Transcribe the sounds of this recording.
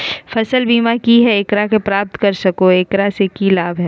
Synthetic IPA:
fʰɐsəlbiːmakiɦɛeːkɾakepɾaːp̚t̪kɐɾsɐkoeːkɾasekilaːbɦɛ

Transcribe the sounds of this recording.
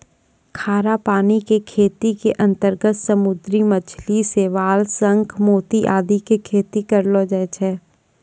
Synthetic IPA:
kʰaːɾapaːnikekʰeːt̪ikeʔɐ̃nt̪əɾɡət̪səmʊd̪ɾimɐt͡ʃʰliseʋaːlsə̃ŋkmoːt̪iʔaːd̪ikekʰeːt̪ikəɾlod͡ʒɛːt͡ʃʰɛː

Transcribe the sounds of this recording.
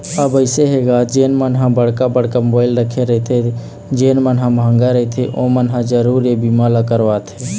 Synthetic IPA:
əbəɪseɦeɡad͡ʒeːnmənɦãbəɽkabəɽ̤kamobaːɪlɾəkʰeɾəɦt̪ʰe | d͡ʒeːnmənɦãmʱãːŋɡaɾət̪ʰeʔõmənɦãd͡ʒəɾuɾebimalakəɾʋat̪ʰe

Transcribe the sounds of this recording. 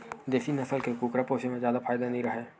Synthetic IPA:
d̪eːfinɐsəlkekuːkɾapoːʃemẽzjaːd̪afaːjd̪anɐɦĩɾɐɦeː

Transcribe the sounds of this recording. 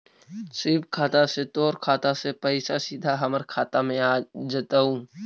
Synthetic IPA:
sɪbkʰaːt̪aset̪oːɾkʰaːt̪asepəɪsasid̪ʱaɦɐməɾkʰaːt̪amẽaːd͡ʒət̪aũː

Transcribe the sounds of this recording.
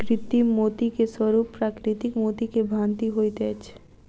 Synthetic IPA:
kɾɪt̪imot̪ikeswɔɾupːɾakɾit̪ikmoːt̪ikebʱãːnt̪iɦojt̪eɛt͡ʃʰ

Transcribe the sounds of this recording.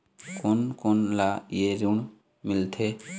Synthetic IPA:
konkonlajeɾuɳ | mɪlt̪ʰe

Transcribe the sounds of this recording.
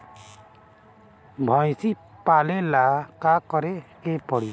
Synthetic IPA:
bʱɔjsi | palelakakɔɾɛkepɔɽi

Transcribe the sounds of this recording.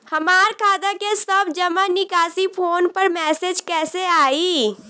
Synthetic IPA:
hɐmaːɾkʰaːd̪akesɐbd͡ʒɐmanɪkaːsipʰoːnpəɾmɛːsed͡ʒkɛːseaːiː

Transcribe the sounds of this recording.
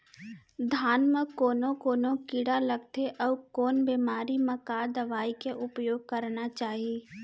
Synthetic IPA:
d̪ʱaːnmẽkoːnõkoːnõkiːɽaləɡ̚t̪ʰeʔɔːkoːnbeːmaːɾimẽkad̪ɐʋaːikeʔʊpjoːɡ̚kəɾnat͡ʃaːɦie

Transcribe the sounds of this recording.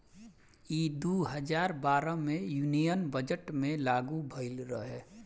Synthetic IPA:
iːd̪uɦəd͡ʒaːɾbaːɾəmẽjuːnijənbəd͡ʒəʈmẽlaːɡubʱəɪlɾəɦɛ

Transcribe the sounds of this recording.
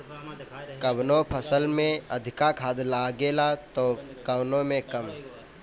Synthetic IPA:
kəbnõpʰəsəlmẽəd̪ʱɪkakʰaːd̪laːɡeːlat̪oːkəʋnõmẽkəm

